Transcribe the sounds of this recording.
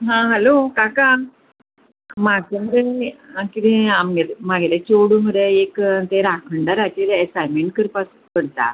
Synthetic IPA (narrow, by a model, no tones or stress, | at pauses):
ɦãɦəlokaka | maɡsemd̪eãkit̪ẽamɡemaɡelet͡ɕoɽumɡəɾeekːnt̪eɾakʰəɳɖaɾat͡ɕiɾesajmeɳʈkəɾpas | pəɽt̪a̰